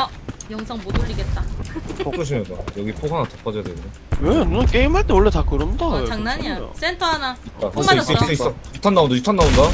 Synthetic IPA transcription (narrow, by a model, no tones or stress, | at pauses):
ʌjʌŋsʰʌŋmodoʎiɡe̞t̚t͈ak͈oɕ̬ʰimjʌndajʌɡipʰoɡanatap͈ad͡ʑʌjadweɡdo | wenunk͈eimɦaɭt͈ewʌɭːe̞takɯɾɯmdat͡ɕaŋnaɲias͈entʰʌɦanait̚t͈aais͈eis͈ʌitʰanːaondaitʰanːaonda